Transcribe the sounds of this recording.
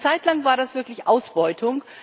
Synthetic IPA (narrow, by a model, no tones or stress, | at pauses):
t͡saɪtʰlaŋvaːɐdasv̥ɪɐklɪçʔaʊsb̥ɔʏtʰʊŋ